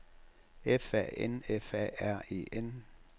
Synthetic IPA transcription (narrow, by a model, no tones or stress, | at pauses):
efɛʔenefɛ̰æɐ̰e̝̰ːʔen